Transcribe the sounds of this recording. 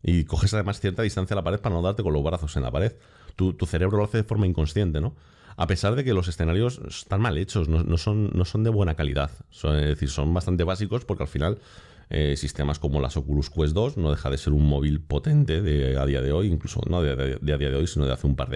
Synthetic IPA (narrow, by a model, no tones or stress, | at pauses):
iko̞xe̞sað̞e̞masθjeɾt̪aðist̪anθjalapaɾe̞ðpaɾano̞ðaɾt̪eko̞nlo̞zβɾaθo̞se̞nla̰paɾe̞ð | t̪ut̪uθe̞ɾe̞βɾo̞lo̞aθe̞ðe̞fo̞ɾmaiŋko̞nsθjent̪e̞no̞ | a̰pe̞saɾðe̞ke̞lo̞s̬e̞sθenaɾjo̞sḛ̥st̪anmale̞t͡ʃo̞snonːoso̞nːo̞so̞nd̪e̞βwenakalḭðaðsoezðeθiɾso̞mbast̪ant̪e̞β̞asiko̞spo̞ɾkealfinal | ḛsist̪e̞masko̞mo̞la̰so̞kuluskwe̞zðo̞sno̞ðe̞xaðe̞se̞ɾummo̞β̞ilpo̞t̪e̞nt̪e̞ðea̰ðiaðe̞o̞jiŋkluso̞̰noððeaðiaðeo̞jsino̞ðaθeumpa̰ɾðe